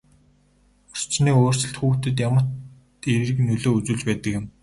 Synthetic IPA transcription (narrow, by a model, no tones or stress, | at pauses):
ɔr̥t͡ɕniːoːr̥sə̆ɬt̪xuːxt̪ɘ̆t̪̬jamə̆t̪ | eɾɘrɘ̆knɵɮoːut͡suːɮt͡ɕpæːt̪ə̆kjɪ̆m